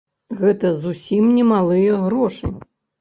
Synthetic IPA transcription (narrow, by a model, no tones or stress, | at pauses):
ɣɛt̪ɐzusʲimnʲɛmalˠɨjɐɣɾɔʂɨ̰